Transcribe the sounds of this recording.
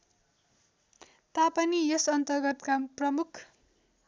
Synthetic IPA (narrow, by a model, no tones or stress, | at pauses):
t̪apʌniesʌnt̪ʌrɡʌt̪kaprʌmukʰ